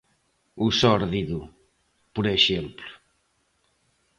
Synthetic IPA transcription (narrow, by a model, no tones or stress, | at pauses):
usɔɾðiðu | puɾeʃemplu̥